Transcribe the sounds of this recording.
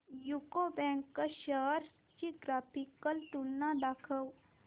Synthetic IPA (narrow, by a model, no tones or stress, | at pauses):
jukobɛ̃ːŋkːaʃəːɾ | t͡ʃiɡɾaːpʰikəlt̪unnːad̪akʰəw